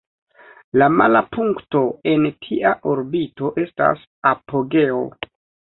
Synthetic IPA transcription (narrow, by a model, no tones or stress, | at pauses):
lamalapuŋkto̞e̞ntʰiʔaʔoɾbito̞ʔe̞sta̰s | apo̞ɡe̞o̰